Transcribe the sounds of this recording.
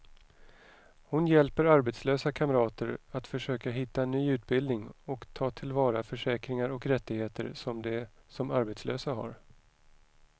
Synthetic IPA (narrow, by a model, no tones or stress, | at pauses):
hʊnjɛlpəɾaɾbɛt̪sløːsakʰaməɾɑːt̪əɾat̪fœʂøːkaɦɪt̪ːaɛnːyːʉ̟ːt̪̚bɪld̪nɪŋɔkt̪ʰɑːt̪ʰɪlvɑːɾafœʂɛːkɾɪŋaɾɔkɾɛt̪ːɪɡheːt̪ə̰ɾsɔmd̪ɛsɔmaɾbɛt̪slø̰ːsaɦa̰ɾ